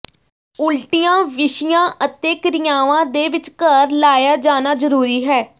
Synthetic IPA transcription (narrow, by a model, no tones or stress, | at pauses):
ʊlʈɪjãːʋɪʃɪjãːʔət̪eːkəɾɪjaːʋãːd̪eːʋɪt͡ʃkəɾlaːjaːd͡ʒaːnaːzəɾuːɾiːɦɛː